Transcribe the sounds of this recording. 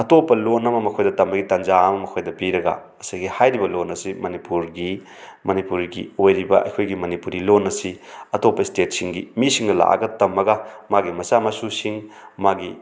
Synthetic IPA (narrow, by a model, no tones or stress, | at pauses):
ɐtopːɐlonɐmɐmɐkʰojdɐtɐmːɐɡitanzaɐmɐmɐkʰojdɐpiɾɐɡɐ̰ | ɐsajɡihajɾibɐlonɐsimɐnipuɾɡi | mɐnipuɾɡḭojɾibɐʔɐ̰jkʰojɡimɐnipuɾilonːɐsiɐtopːɐistet̚siŋɡimisiŋnɐla̰ʔɐ̰ɡɐtɐmːɐɡɐmaɡimɐsamɐsusiŋmaɡi